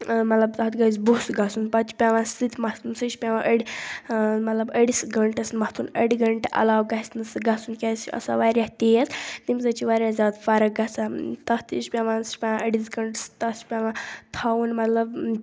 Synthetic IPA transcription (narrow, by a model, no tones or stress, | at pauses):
mɐt̪lɐbt̪ɐɦt̪ɡɐiz̬busɡɐsunpɐt͡ʃpʲaʋãsɨt̪ʲʰmɐht̪ʰunsɐʃpʲaʋãʔəɽʲi | mɐt̪lɐbəɽisɡɐɳʈɐsmɐht̪ʰunə̰ɽiɡɐɳʈeʔɐ̰laːwɡɐɦisnɨsɨɡɐsunkʲasiɐ̰sa̰ʋaɾʲjaht̪ejest̪imzɐt͡ʃʰiʋaɾʲjazjaːd̪fɐɾɐɡɐt͡sʰat̪ɐht̪iʃpʲaʋãːnsʲpʲaãʔəɽisɡɐɳʈst̪ɐt͡ʃpʲaʋãt̪ʰawunmɐt̪lɐb